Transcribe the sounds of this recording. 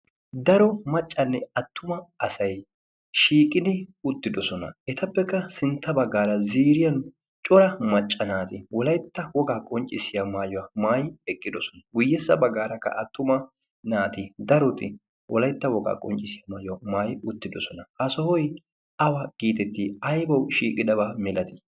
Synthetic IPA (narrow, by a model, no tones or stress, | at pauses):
d̪ɐɾɔmɐt͡ʃʼːɐnːɛɐt̪ːʊmɐɐsɐj | ʃiːkʼːɪd̪ɪʊt̪ːɪd̪ɔsɔnɐ̰ɛt̪ʰɐpːɛkːɐsɪnt̪ːɐbɐɡːaːɾɐziːɾɪjɐn | t͡ʃʼɔɾɐmɐt͡ʃʼːɐnaːt̪ɪwɔlɐjt̪ːɐwɔɡaːkʼɔnt͡ʃʼːɪsɪjamaːjɔwɐmaːjɪɛkʼːɪd̪ɔsɔ̥nɐɡʊjːɛsːɐ̰bɐɡːaːɾɐkːɐ̰ʔɐt̪ːʊmɐ | naːt̪ɪd̪ɐɾɔt̪ɪ | wʔɔlɐjt̪ːɐwɔɡa̰ːkʼɔnt͡ʃʼːɪsɪjɐmaːjɔwɐmaːjʊt̪ːɪd̪ɔsɔnɐhɐsɔhɔj | ɐwɐɡ̥iːt̪ɛt̪ːiːɐjbɐwʃiːkʼɪd̪ɐβaːmɛlɐt̪ɪ̥